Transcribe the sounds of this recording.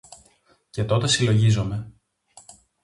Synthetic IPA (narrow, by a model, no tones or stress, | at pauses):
ce̞t̪o̞t̪e̞silo̞ʝizome̞